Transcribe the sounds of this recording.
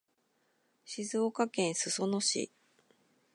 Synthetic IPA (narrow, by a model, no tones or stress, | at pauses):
ɕizoːkakẽ̞ɰ̃sɨso̞noɕḭ